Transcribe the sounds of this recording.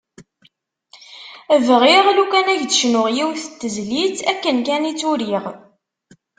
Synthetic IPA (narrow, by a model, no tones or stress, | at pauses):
vʁiʁlukænæʝd̪ə̥ʃnʊʁjiwθət̪ːəzlit͡sækːənkænit͡sːuɾiʁ